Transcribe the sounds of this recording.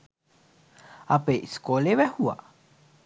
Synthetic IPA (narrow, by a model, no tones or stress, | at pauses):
apeʔiskoleβɛhua̰